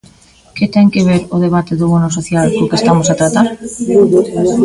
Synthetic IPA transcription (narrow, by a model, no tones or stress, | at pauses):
ket̪ɛŋkeβ̞eɾoð̞eβ̞at̪eðoβonosoθjalkokest̪amosat̪ɾat̪aɾ